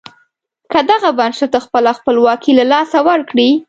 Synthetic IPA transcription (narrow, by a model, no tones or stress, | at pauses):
kəd̪aɣabanʃat̪axpəlaxpəlwɑkilalɑsawaɾkɽi